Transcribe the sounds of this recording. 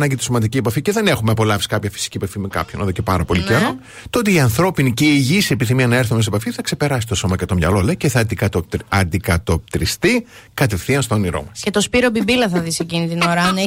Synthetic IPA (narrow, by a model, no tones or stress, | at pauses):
nɐɲɟit̪i̥somɐnd̪iciepɐfice̞ðe̞ne̞xumeɐpo̞lɐfisi̥kɐpçɐfi̥si̥ciepɐfimekɐ̰pçonoðocepɐɾɐpo̞liceɾo̞ | t̪oot̪iːɐnθɾo̞piniceiːʝisiepiθimiɐnɐe̞ɾθumes̬e̞pɐfiθɐkse̞pe̞ɾɐsi̥st̪oso̞mɐʝɐt̪o̞mɲɐ̰lo̞lece̞θɐɐɐnd̪ikɐt̪o̞p̚t̪ɾist̪i | kɐt̪efθiɐnst̪o̞niɾo̰mɐscet̪o̞spiɾobibilɐθɐðisecinit̪inoɾɐne